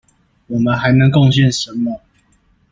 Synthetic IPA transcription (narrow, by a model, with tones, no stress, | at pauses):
wɔ˨˩mə˨˦nxa˨˥ɪnə˧˦ŋkɔ˥˧ŋɕjɛ˥˨nʂə˨˦nmə˨˦